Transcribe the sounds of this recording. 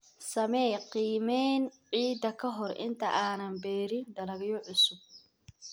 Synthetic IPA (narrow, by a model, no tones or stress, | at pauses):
sɐmɛjqiːmɛːnʕiːd̪ɐkʰɐɦɔrʔɪ̰nt̪ʰɐʔaːnɐmbɛːɾɪnd̪ɐlɐɣɪjɔʕʊsʊb̚